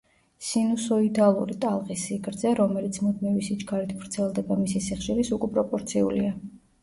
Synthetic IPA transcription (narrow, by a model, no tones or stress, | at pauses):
sinusɔid̪alˠṵɾit̪ʼalˠʁisiɡɾd̪zɛɾɔmɛlit̪sʰmud̪mivisid͡ʒɡaɾit̪ʰvɾt̪sʰɛlˠd̪ɛbamisisiχʃilisukʼɛpʼɾɔpʼɔɾt̪sʰiṵlḭa